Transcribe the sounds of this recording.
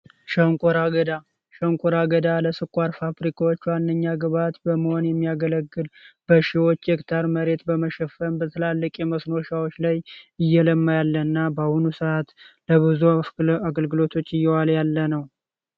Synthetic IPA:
ʃəŋkʷʼoɾaɡəd̪a | ʃəŋkʷʼoɾaɡəd̪aləsɨkʼːaɾfabɾikʰawot͡ʃːwanːəɲːaɡɨβat̪bəməho̞njɛmːijaɡələɡːɨlb̥əʃiwo̞t͡ʃːekt̪ʰaɾməɾe̞t̪bəməʃɛfəmbət̪ʰɨlalːɨkʼjɛməsno̞ʃawot͡ʃːlajɨjːɛləmːajalːəɨnːabahunusɨʔat̪ləβɨzuaɡəlɡɨlo̞t̪ʰo̞t͡ʃːɨjːɛwaljalːənəw

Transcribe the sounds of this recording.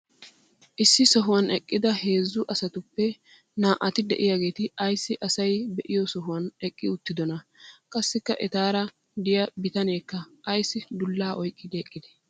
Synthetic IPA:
ʔɪsːɪsɔɦʊwɐnɛkʼːɪd̪ɐhe̞ːzːʊʔɐsɐt̪ʊpːɛ | naːʔɐt̪ɪd̪ɛʔɪjaːɡe̞ːt̪ɪɐjsːɪʔɐsɐjbɛʔɪjɔsɔɦʊwɐnɛkʼːɪʊt̪ːɪd̪ɔnɐkʼɐsːɪkːɐ̰ʔɛt̪aːɾɐ | d̪ɪjɐbɪt̪ɐneːkːɐːjsːɪd̪ʊlːaːʔɔjkʼːɪd̪ɛːkʼːɪd̪ɛ̥

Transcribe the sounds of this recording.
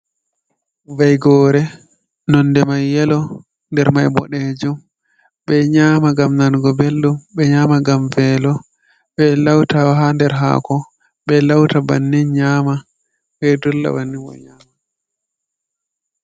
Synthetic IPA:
vajɡɔːɾɛ | nɔndɛmajːɛlɔ | ndɛɾmajbɔ̰ɗed͡ʒum | ɓɛɲaːmaɡamnanɡɔbelːumɓɛɲaːmaɡamvɛlɔ | ɓɛlawtaɦandɛɾɦa̰ːkɔ | ɓɛlawtaba̰nːinɲama | ɓɛdulːa̰wanːiwɔ̰ɲaːma

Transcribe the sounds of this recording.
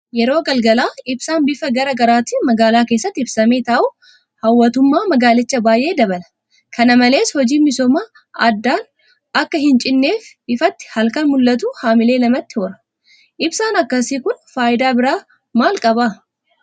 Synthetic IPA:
jɛɾo̞ːɡɐlɡɐlaːɪbsaːnbɪfɐɡɐɾɐɡɐɾaːt̪ɪmɐɡaːlaːkeːsːɐt̪ːɪb̥sɐme̞ːt̪aːʔʊ | hɐwːɐt̪ʊmːaːmɐɡaːlɪt͡ʃːɐbaːjʔe̞ːd̪ɐbɐlɐ̥ | kɐnɐmɐle̞ːshɔd͡ʒiːmɪsɔːmaː | ɐd̪ːaːn | ɐkːɐɦɪnt͡ʃʼɪnːe̞ːf | ɪfɐt̪ːɪ̥hɐlkɐnmʊlːɐt̪uːhaːmɪle̞ːlɐmɐt̪ːɪhoːɾɐ̥ | ʔɪbsaːnɐkːɐsiːkʊnfaːʔɪd̪aːbɪɾaː | maːlkʼɐbaː

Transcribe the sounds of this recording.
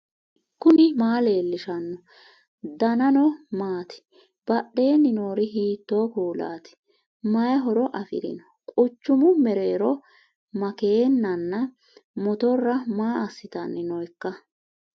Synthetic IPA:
kʊnɪmaːle̞ːlːɪʃɐnːɔ | d̪ɐnɐnɔmaːt̪ɪ̥ | b̥ɐɗe̞ːnːɪnoːɾɪɦiːt̪ːoːkuːla̰ːt̪ɪ̥ | mɐjɐɦɔɾɔʔɐfɪ̰ɾɪ̰nɔ | kʼʊt͡ʃːʊmʊmɛɾe̞ːɾɔ | mɐkeːnːɐnːɐ | mɔt̪ɔrːɐmaːɐsːɪt̪ɐnːɪnɔjkːɐ

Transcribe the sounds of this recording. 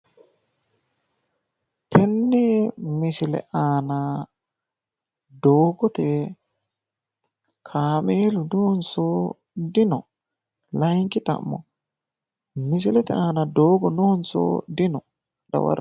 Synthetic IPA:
t̪ʰɛnːɛmɪsɪlɛ̰ʔaːnɐ | d̪oːɡɔt̪ɛ | kʰaːmeːlʊnʊhʊnso | d̪ɪnɔ̰ | lɐjŋkɪt̪ɐ̰mːɔ̰ | mɪs̬ɪlɛt̪ɛʔaːnɐd̪oːɡɔnʊhʊnso̰d̪ɪnɔ | d̪ɐ̰wɐ̰ɾ

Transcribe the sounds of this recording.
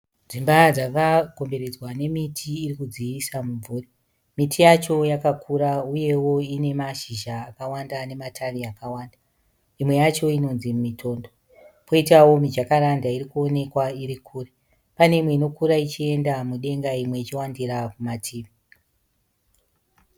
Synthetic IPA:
d͡zimbad͡zakako̞mbe̞ɾe̞d͡zwane̞mitʰiːrikud͡ziʋisamuɱvuːri | mitʰijat͡ʃo̞jakakʰuɾauje̞wo̞ine̞maʃiʒaːkawandane̞matʰariakawaːnda | imwe̞jat͡ʃo̞ino̞nzimumitʰo̞ːndo | po̞itawo̞mid͡ʒakaɾandaiɾikuo̞ne̞kwaiɾikʰuːre | pane̞imwe̞ino̞kuɾait͡ʃie̞ndamuɗe̞ŋɡaimwe̞it͡ʃiwandiɾakumatʰiːʋi

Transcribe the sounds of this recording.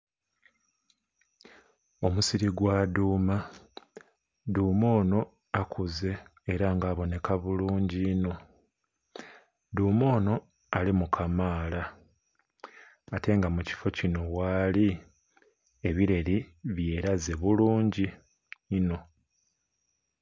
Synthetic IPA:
o̞musiɾiɡwaduːma | duːmo̞ːno̞ | akʰuze̞ːɾaŋɡaːβo̞ne̞kaβuluːɲɟiːno̞ | duːmo̞ːno̞ | alimukʰamaːla | te̞ŋɡamuci̥fo̞cino̞waːli | e̞βiɾe̞ɾiβje̞ːɾaze̞βuluːɲɟiː | no̞

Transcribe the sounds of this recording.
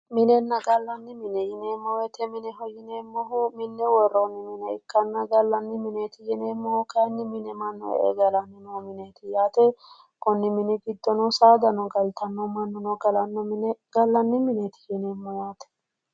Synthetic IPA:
mɪnɛnːɐɡɐlːɐnːɪmɪnɛjɪneːmːɔwɛt̪ɛmɪnɛɦɔjɪnemːɔɦʊmɪnːɛwɔrːonːɪmɪnɛɪkːɐnːɐɡɐlːɐnːɪmɪneːt̪ɪjɛneːmːɔkɐnːɪmɪnɛmɐnːɔ̰ḛːɡɐlɐnːɪnomɪneːt̪ɪjaːt̪ɛ | kɔnːɪmɪnɪɡɪd̪ːɔnɔsaːd̪ɐnɔɡɐlt̪ʰɐnːɔmɐnːɔnɔɡɐlɐnːɔmnɛɡ̥ɐlːɐnːɪmɪnet̪ɪ̥jɛnemːɔjaːt̪ɛ̥

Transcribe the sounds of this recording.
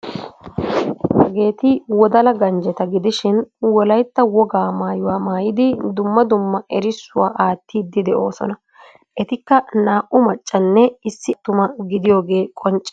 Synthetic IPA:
hɐɡe̞ːt̪ɪwɔd̪ɐlɐɡɐnd͡ʒɛt̪ɐɡɪd̪ɪʃɪnwɔlɐjt̪ːɐwɔɡaːmaːjʊwaːmaːjɪd̪ɪd̪ʊmːɐd̪ʊmːɐʔɛɾɪsːʊwa̰ːʔaːt̪ːiːd̪ːɪd̪ɛʔo̞̰ːsɔ̰nɐ | ʔɛt̪ɪkːɐnaːʔʊmɐt͡ʃʼːɐnːɛɪsːɪt̪ːʊmɐɡɪd̪ɪjo̞ːɡe̞ːkʼɔnt͡ʃʼː

